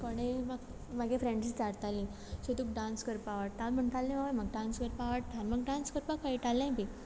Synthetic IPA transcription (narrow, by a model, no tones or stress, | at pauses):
koɽ̃emaɡ | maɡefɾeɳɖt͡ɕit͡saɽt̪ali | ɕet̪uk̚ɖãnskəɾpaʋəɽ̚t̪alm̤əɳt̪ʰalːẽmaʋaməɡ̚ɖãnskəɾpaʋəʈ̚t̪ʰaɾməɡɖãnskəɾpakaiʈalːãpi